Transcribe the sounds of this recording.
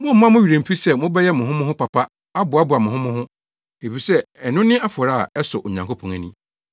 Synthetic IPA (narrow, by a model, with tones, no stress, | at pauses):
mʊ̃˦m̩˨m˦ã˦mʊ̃˦ɥi˨ɾæ̃˨m̩˨fi˦sɛ˦mʊ̃˦bɛ˦jɛ˦mʊ̃˨ɦʊ̃˦mʊ̃˦ɦʊ̃˦pa˨pa˦ | a˦bʊ˨a˦bʊ˨a˨mʊ̃˨ɦʊ̃˦mʊ̃˦hʊ̃˦ | e˨fi˨sɛ˦ɛ˨nʊ̃˦nɪ̃˦a˦fɔ˨ɾa˦˨ɛ˦sʊ˨ʔo˨ɲã˨ŋkʰo˦pʰɔ̃˨ŋæ˨nĩ˦